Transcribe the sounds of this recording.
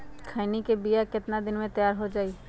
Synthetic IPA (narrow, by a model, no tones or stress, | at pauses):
kʰaɪnikebijakɪt̪nad̪ɪnmẽt̪əjaːɾɦod͡ʒaːiː